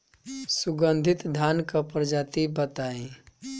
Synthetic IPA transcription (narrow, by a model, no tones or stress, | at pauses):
sʊɡə̃nd̪ʱɪt̪d̪ʱaːnkapɾd͡ʒaːt̪ibət̪aːẽ